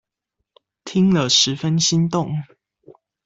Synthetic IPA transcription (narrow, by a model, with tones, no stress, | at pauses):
t̪ʰi˦ŋlə˨ʂɻ̩˨˦fə˦nɕi˦nt̪ʊ˥˨ŋ